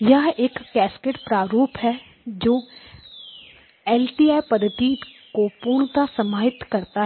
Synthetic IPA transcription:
jɐɦeːkːɛːskeːʈpɾaːɾuːpɦɛː | d͡ʒoː | ɛːlʈiːaːjpəd̪ʱːət̪ikopuːɾɳ̃t̪asəmaːɦɪt̪kəɾt̪aɦ

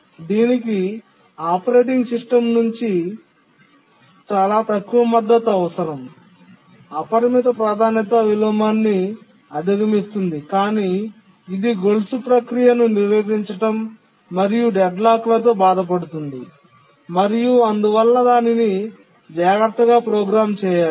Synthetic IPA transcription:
d̪iːniki | aːpɐɾe̞ːʈ̬iŋɡsiʂʈɐmnuɲt͡ʃi | t͡ʃaːlaːt̪ɐkːuʋɐmɐd̪ːɐt̪ɐʋɐsɐɾɐm | ɐpɐɾɐmit̪ɐpɾaːd̪ʱaːnjɐt̪ɐʋilɐmaːnːi | ɐd̪ʱiɡɐmist̪und̪ikaːniː | d̪iɡolsupɾɐkɾijɐnuniɾʋeːd͡ʒiɲt͡ʃɐʈɐmː | ɐɾijuɖɛɖlaːklɐt̪̬o̞ːbaːd̪ɐp̬ɐɽut̪und̪i | mɐɾijuɐnd̪uʋɐlːɐd̪aːnini | d͡ʒaːɡɐɾt̪ʰːɐɡaːpɾɔːɡɾaːmt͡ʃɛːjaːu

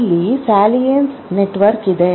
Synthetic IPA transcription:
lːisaːlijensneʈːʋɐɾkɪd̪ɐj

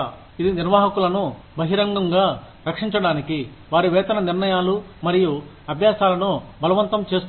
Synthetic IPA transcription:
id̪iniɾʋaːɦɐkulɐnu | bɐɦiɾɐŋɡɐŋɡaː | ɾɐkʂiɲt͡ʃɐɽaːniki | ʋaːɾiʋɛːt̪ɐnɐniɾnɐjaːlu | mɐɾiju | ɐbʱjaːsaːlɐnubɐlɐʋɐnt̪ɐmt͡ʃe̞ːst̪

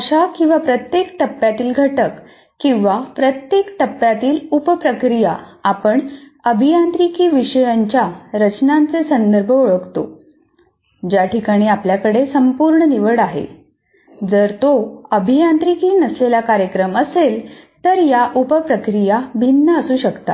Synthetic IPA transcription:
əɕakĩw̃ʋapɾət̪jekt̪əpːjat̪iːlɡʱəʈəkː | ĩw̃ʋapɾət̪jekt̪əpːjat̪iːlupəpɾəkɾijaapəɳəbʱijant̪ɾikiːʋiɕəjaɲt͡ɕjaɾət͡ɕnãnt͡sesənd̪əɾbʱəoɭəkt̪o̰ | d͡ʑjaʈʰikaɽ̃iːapljakəɽesəmpuɾɳəniʋəɽaɦḛ | d͡zəɾt̪oəbʱijãnt̪ɾikiːnəslelakaɾjəkɾəməselt̪əɾjaʔupəpɾəkɾijabʱinːəəsuːɕəkt̪a̰

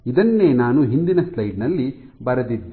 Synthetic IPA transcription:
id̪ɐnːe̞ːnaːnuɦind̪inɐslɐjɖnɐlːi | bɐɾɐd̪id̪ː

